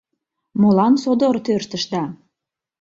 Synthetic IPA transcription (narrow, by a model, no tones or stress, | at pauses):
molɑnsod̪oɾt̪ørt̪ə̆ʃd̪ɑ